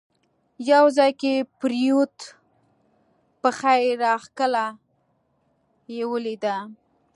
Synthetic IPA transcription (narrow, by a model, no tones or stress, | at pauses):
jawzɑjkepɾijut̪ | pəxajɾɑxkəla | jewəlid̪a